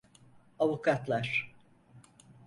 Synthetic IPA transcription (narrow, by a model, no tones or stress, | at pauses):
avukʰat̪lˠaɾ̥